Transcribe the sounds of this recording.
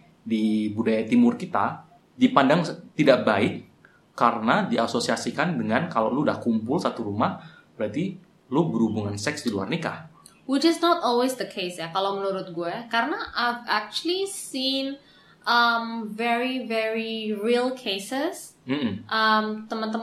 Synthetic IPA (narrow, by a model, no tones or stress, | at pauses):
dibudajat̪imʊrkit̪a̰ | dipandaŋt̪idaʔbaɪkː | aɾənadiasosiasikandəŋankala̰wludahkumpʊlsat̪uɾumah | bəɾat̪i | lubəɾhubuŋansɛksdilua̰rnika̰h | wid͡ʒəsnɔtɔlwesd̪əkʰesjakalawmənuɾʊt̪̚ɡuɛkaɾənaʔajvak̚t͡ʃuəlisin | ʔəmvɛɹivɛɹiɹilˠkʰesɪsm̩m̩ʔəmt̪əmənt̪əm